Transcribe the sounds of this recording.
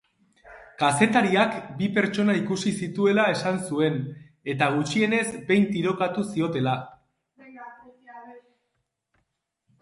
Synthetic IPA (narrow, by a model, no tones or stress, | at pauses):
kase̞t̪aɾiakbipe̞ɾt͡ʃo̞naikusisit̪ue̞lae̞sansue̞n | e̞t̪aɣ̞ut͡ʃie̞ne̞zbe̞jnt̪iɾo̞kat̪usio̞t̪e̞la